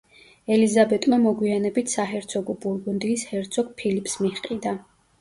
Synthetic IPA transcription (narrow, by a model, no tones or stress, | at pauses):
ɛlizabɛt̪ʼmamɔɡwianɛbit̪ʰsaɦɛɾt̪sʰɔɡɔbuɾɡund̪iːshɛɾt̪sʰɔɡ̚pʰilipʰsmiχqʼid̪a